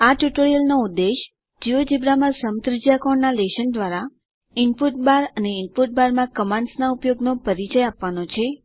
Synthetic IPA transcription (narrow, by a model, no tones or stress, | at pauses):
aʈjuʈoɾijəlnoud̪ːeʃ | d͡ʒiʋəd͡ʒibɾamãsəmt̪ɾəd͡ʒijakoɳnaleʃənd̪ʋaɾa | ɪnpuʈ̚baɾəneɪnpuʈ̚baɾmãkəmãnsnaupjoɡnopəɾit͡ʃəjapʋanot͡ʃʰe